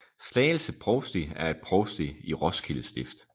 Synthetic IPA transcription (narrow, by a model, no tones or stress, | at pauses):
slɛːl̩səpʰʁɔʊsd̥iæɐe̝d̥̚pʰʁɒʊsd̥iiʁɒ̽skʰiləsd̥e̝fd̥